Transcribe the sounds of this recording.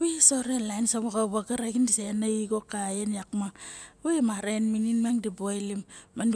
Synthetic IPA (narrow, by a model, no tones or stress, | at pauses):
wesoɾelansaβaɣaβaɡaɾaɡindisenaiɡokajenjakmaŋwemaɾenmininmaŋdibojlimman